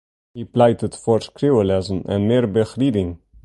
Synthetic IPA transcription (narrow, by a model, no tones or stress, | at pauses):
hiːplaɪtətfɔɹskɾiəlɛzən̩ʔɛ̰nmeːɾbəxɾiːdɪŋ